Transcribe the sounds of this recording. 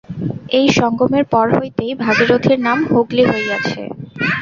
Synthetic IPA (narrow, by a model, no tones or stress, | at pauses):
ejʃɔŋɡomeɾpɔɾɦojt̪ejbʱaɡiɾod̪ʱiɾnamhoɡliɦojɡat͡ɕʰḛ